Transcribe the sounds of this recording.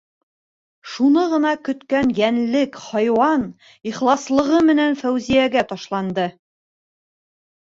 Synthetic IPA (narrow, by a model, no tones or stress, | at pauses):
ʃunɤʁɤ̆nɑkɵ̆t̪kænjænlɘkhɑjwɑn | iχlˠɑslˠɤ̆ʁɤmɘ̆nænfæwzijæɡæt̪ɒʃlˠɑnd̪ɤ